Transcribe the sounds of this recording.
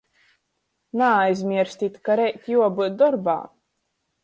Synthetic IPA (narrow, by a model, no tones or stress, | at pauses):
naːjzʲmʲiɛɾsʲt̪ʲit̪ʲkaɾɛjt̪ʲjuɔbɨd̪ɔɾba̰ː